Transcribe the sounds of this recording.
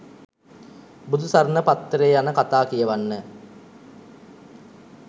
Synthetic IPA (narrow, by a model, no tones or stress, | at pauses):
bud̪ʱusaɾnəpat̪ːəɾeːjanəkat̪aːkijəʋanːə